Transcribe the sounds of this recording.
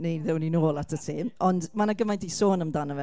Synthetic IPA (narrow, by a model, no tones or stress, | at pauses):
nejðɛwninoːlˠatʰəsʰeːmɔndmanaɡəmajndisoːnəmdanəvɛ